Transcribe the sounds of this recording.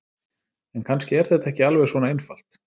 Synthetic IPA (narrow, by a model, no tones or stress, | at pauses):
ɛnkʰanscɪɛɾ̥θɛt̪aɛhcɪalvɛɣsvɔːnaejnfal̥t̪